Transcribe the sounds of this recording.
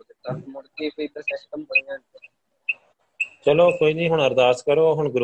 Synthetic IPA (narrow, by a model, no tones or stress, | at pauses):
t̪əɾmʊɽkiːpiːd̪əɾsɛsʈəmbəɳijãːn | t͡ʃəloːkoːiːnĩːɦʊɳɦəɾd̪aːskəɾoːɦʊɳɡɾ